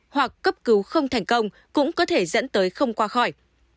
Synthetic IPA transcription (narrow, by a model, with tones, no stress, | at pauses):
hwa˨˩kːə˦˥p̚kɨ˨˦wxə˧wŋ͡mt̪ʰɛ˨˩jŋ̟kə˧wŋ͡m | kʊ̰˧˥ŋ͡mkɔ˨˦t̪ʰe˧˩zə̰˧˥nt̪əː˨˦jxə˧wŋ͡mkwaː˧xɔ˧˩j